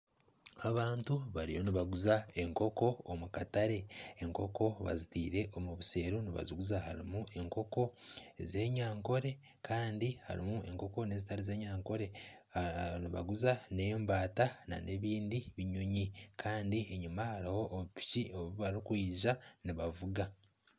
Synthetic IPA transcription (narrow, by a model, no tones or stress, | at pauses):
aβaːntuβaɾḭjo̞niβaɡuzae̞ŋko̞ko̞ːmukataɾe̞ːŋko̞ko̞βa̰zitiːɾe̞ʔomuβise̞ːɾuniβa̰ziɡuzaha̰ɾḭmuʔe̞ŋko̞ko̞ze̞ːɲaːŋko̞ɾe̞ | kʰaːndiha̰ɾḭmue̞ŋko̞ko̞ne̞ːzitaɾeze̞ːɲaːŋko̞ɾe̞ | niβa̰ɡuzane̞mbaːtana̰nʔe̞ːβiːndiβiɲoɲikʰaːndieɲumahaɾiho̞ʔːβpicioβuβaɾikwiːʒaniβavuɡa